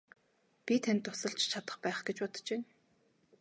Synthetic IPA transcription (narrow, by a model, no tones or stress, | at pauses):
pʲit̪ʰænt̪ːʊsə̆ɮt͡ɕt͡ɕʰat̪ə̆χpæːχɡet͡ɕpɔt̪̆t͡ɕeː